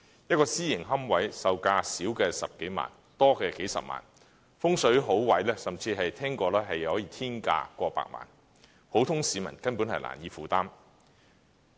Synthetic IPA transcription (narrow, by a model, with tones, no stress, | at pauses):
jɐ˥t̚kɔː˧siː˥jɪ˨˩ŋɦɐ˥mwɐ˨˥jsɐ˧wkaː˧siː˨˥wkɛː˧sɐ˨p̚ke˨˥jma̰ː˨˩n | t̪ɔː˥kɛː˧ke˨˥jsɐ̰˨p̚ma̰ː˨˩n | fʊ˥ŋsɵ˨˥ɥɦo˨˥wwɐ˨˥jlɛː˥sɐ˨mt͡siː˧ɦɐ˨jt̪ʰɛː˥ŋkɔː˧lɛː˥ɦɐ˨jɐ˨whɔː˨˥jiː˧t̪ʰiː˥nka̰ː˧kʷɔː˧pa̰ː˧k̚ma̰ː˨˩n | ho˨˥wt̪ʰʊ˥ŋsiː˨˧˥mɐ̰˨˩nkɐ˥npu˨˥nhɐ̰˨jla̰ː˨˩njiː˧fuː˨t̪aː˥m